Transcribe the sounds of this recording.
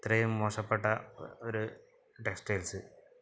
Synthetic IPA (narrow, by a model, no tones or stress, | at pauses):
t̪rɐjumːoːʂɐpːeʈːɐoɾu | ʈeksʈejlsɨ